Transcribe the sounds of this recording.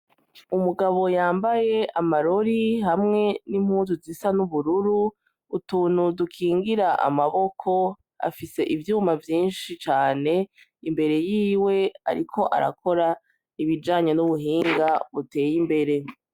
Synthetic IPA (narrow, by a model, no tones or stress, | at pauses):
umuɡaβo̞jaːmbaje̞amaɾo̞ɾihamŋe̞nim̥huːnzuzisanuβuɾuɾuː | tuːn̥hudukʰiːŋɡiɾaʔa̰maβo̞kʰo̞ | a̰fise̞ʔivjuːmavjiːnʃit͡ʃaːne̞ | imbe̞ɾe̞jiːwe̞a̰ɾikʰo̞ʔa̰ɾa̰kʰo̞ɾa | iβid͡ʒaːɲo̞nuβuɦiːŋɡaβute̞ːjimbe̞ɾe̞